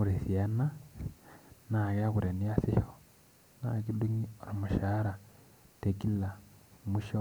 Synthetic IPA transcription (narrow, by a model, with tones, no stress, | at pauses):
uɾe˨si˨a˦na˦ | na˨ka˦ku˨ɾe˨ni˦a˦si˦ho˦ | na˦ki˦du˦ŋio˨ɾo˨mu˨ʃa˦ɾa˨ | te˨ki˦la˨mu˦ʃo